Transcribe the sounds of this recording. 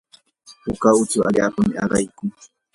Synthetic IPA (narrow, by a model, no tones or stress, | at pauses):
hʊkaʊt͡ʃʊa̰ʎaːpamɪaɾajkʊŋ